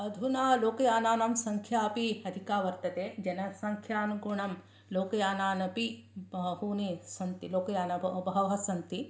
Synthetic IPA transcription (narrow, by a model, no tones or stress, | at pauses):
ɐd̪ʱunaːloːkɐjaːnaːnɐmsɐŋkʰjaːpiɐd̪ʱikaːʋɐɾt̪ɐt̪eːd͡ʒɐnɐsɐŋkʰjaːnɡuɳɐm | loːkɐjaːnaːnɐpibɐɦunesɐnt̪iloːkɐjaːnɐbʱɐʋɦɐsɐnt̪i